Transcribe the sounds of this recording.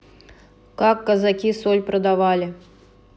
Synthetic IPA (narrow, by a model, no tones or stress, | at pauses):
kakːɐzakʲisɔlʲpɾɐd̪avalʲi